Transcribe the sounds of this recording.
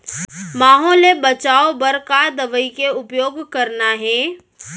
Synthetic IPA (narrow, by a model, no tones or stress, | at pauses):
maːɦɔːlebɐt͡ʃaːobɐɾkad̪ɐʋəikeʊpjoːɡkɐɾnaɦɛ̃ː